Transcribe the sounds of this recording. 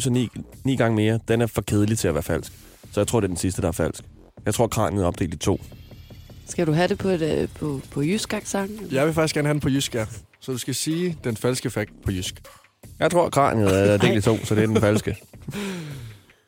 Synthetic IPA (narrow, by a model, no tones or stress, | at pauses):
sɒnnḭːɡ̥ɑ̈ŋəme̝ːɐd̥enæɐfɒ̽kʰeð̞ˠəlit͡sʰe̝læʋæːɐfæl̰sɡ̥ | sɒ̽jɑt͡sʰʁo̰de̝ɐd̥ensisd̥əd̥ɑ̈æɐfæl̰sɡ̥ | jɑɪt͡sʰʁo̝ɐ̰kʰʁɑ̰̈ːniðˠɒ̽b̥d̥ḛːld̥it͡sʰo̝̰ː | sɡ̥æɾ̥uɦæɾepʰɒpʰɔpʰɒ̽jysɡ̥æɡ̥sɑŋjɑ̈ɪʋe̝fɑ̈ɡ̥isɡ̥æɐnhædn̩pʰɒ̽jysɡ̥æ | sɒ̽d̥usɡ̥æsiːd̥enfælsɡ̥əfæɡ̥pʰɒ̽jysɡ̥ | jɑ̈ɪt͡sʰʁo̝ɐ̰kʰʁɑ̰̈ːnið̩ˠbd̥e̝̰ːld̥it͡sʰo̝̰ːsɒ̽d̥e̝d̥enfælsɡ̥ə